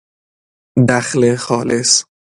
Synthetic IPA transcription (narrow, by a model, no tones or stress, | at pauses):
d̪æxlexɒːles